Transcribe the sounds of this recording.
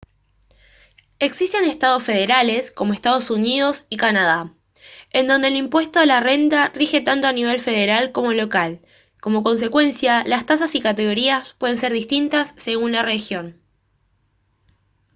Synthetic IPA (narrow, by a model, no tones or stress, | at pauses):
e̞ksist̪e̞ne̞st̪að̞o̞sfe̞ð̞eɾale̞sko̞mo̞est̪að̞o̞sunið̞o̞sikanað̞a | e̞nd̪o̞nd̪eːlimpwe̞st̪o̞alare̞nt̪arixe̞t̪ant̪o̞aniβ̞e̞lfe̞ð̞e̞ɾalko̞mo̞lo̞kal | ko̞mo̞ko̞ns̬e̞kwe̞nsjalast̪as̬asikat̪e̞ɣo̞ɾiaspwe̞ðe̞ns̬eɾðist̪int̪asːe̞ɣunlare̞xjo̞n